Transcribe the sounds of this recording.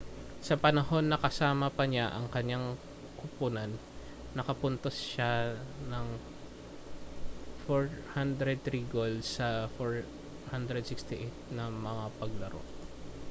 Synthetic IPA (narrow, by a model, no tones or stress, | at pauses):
sɐpɐnɐho̞nːɐkɐsaːmɐpɐɲaʔɐŋkɐɲaŋ | kʊpʊnɐnː | ɐkɐpʊnt̪osʃanɐŋ | foɹhand̪ɾɛd̪ɾiɡoldsːɐfoɹ | hand̪ɾɛd̪̚sɪkst̪ɪʔet̪̚nɐmɐŋapɐɡlɐɾo̞̰